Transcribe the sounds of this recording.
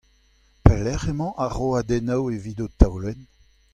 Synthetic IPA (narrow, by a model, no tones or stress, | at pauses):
pɛlɛʁemɑ̃ʔaʁoad̪ɛnawevidot̪awlɛn